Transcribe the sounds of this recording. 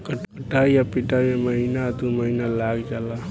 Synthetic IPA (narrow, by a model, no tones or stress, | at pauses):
kəʈkəʈaiapiʈameməɦinad̪uməɦinalaɡd͡ʒaːla